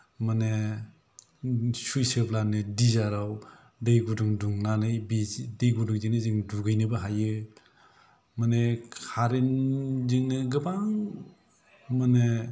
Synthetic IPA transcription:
mane | sujsɯplanɯdizaɾaw | dejɡuduŋduŋnanɯjbidejɡuduŋziknɯzɯŋduɡɯjnɯbaɦajɯ | manekʰaɾenziŋnɯɡɯbaŋ | mane

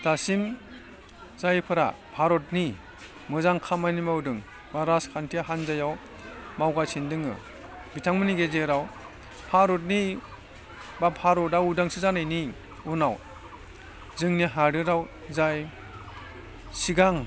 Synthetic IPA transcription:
d̥asim | zajpʰɯɾa̰pʰaɾɔtni | mɯzaŋkʰamajnimawdɯŋ | baɾaskʰantʰiaɦanzajaw | mawɡasʰindɯŋɯ̰ | bitʰaŋmɯniɡezeɾaw | pʰaɾɔt̬̚ni | bapʰaɾɔdawudaŋsɯzanɯjni | unaw | zɯŋniɦaɾɯɾaw | zaj | siɡaŋ

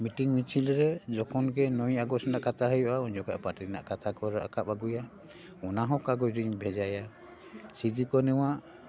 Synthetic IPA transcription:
miʈiŋmit͡ʃʰilɾɛd͡ʒɔkʰɔnɡɛnɔjaɡɔsɔnaʔkat̪ʰaɦəjɔʔauɲd͡ʒɔkaʔpaʈina̰ʔkat̪ʰakɔɾɔʔa̰kapaɡuja | ɔnaɦɔ̃kaɡɔjɾiɲbʱɛd͡ʒaja | sidikɔnɛwaʔ

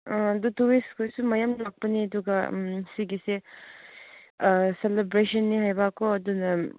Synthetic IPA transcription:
ãɐdutuwiskʰojsumɐjamnak̚pɐniɐd̪uɡɐsiɡise | selebɾesɐnːihajbakːoɐd̪unɐ

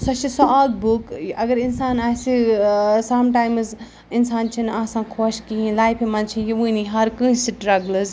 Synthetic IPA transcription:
sɐt͡ʃʰisɔaɡ̚bukɐɡəɾinsaːnaːsisamʈaːjmz | insaːnt͡ʃʰinaːsãːkʰoskiɦĩlaːjpʰimɐnt͡ʃʰijiʋɨniɦɐɾkɨ̃siʈɾɐɡləz

